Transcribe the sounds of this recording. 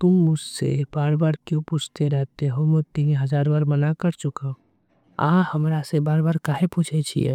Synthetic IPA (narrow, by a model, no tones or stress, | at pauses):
t̪ʊmːʊssḛb̥aːɾbaːɾkjõput͡ʃʰt̪eɾɛɦt̪eɦomʊt̪ːiɦɐzaːɾbaːɾmənakəɾt͡ʃʊkao | a̰ːhɐmɾasebaːɾbaːɾkaːɦepuːt͡ʃʰet͡ʃʰḭɛ̰ː